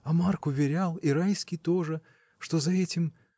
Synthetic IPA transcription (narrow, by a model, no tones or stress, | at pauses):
ɐmarkʊvʲɪɾʲalˠiɾajskʲɪjt̪o̞ʐɨ | ʂt̪o̞zɐɛtʲɪm